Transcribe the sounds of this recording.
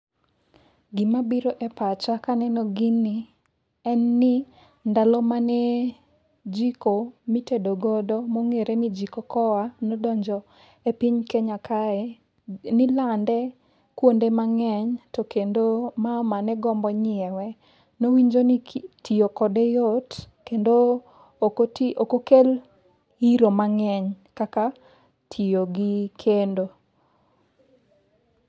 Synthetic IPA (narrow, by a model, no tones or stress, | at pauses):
ɡɪmabiɾoʔɛpat͡ʃakanɛnɔɡɪni | ɛnːɪ | ndalɔmanɛ | d͡ʒikomitedoɡɔdɔmoŋeɾenid͡ʒikɔkɔanɔdɔɲd͡ʒɔ | epiɲkeɲakʰaɛ | nɪlandɛ | kwondemaŋɛɲtɔkendomamanɛɡɔmbɔɲɪɛwɛ | nowiɲd͡ʒonitʰijokɔdɛjot | kendo | tʔokokel | iɾomaŋɛɲ | kaka | tʰioɡɪkʰendo